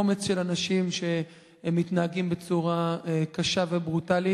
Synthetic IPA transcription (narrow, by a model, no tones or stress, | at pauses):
omet͡sʃe̞lanaʃimʃe̞ | mːitnaaɡimbet͡suʁaekaʃave̞bʁutali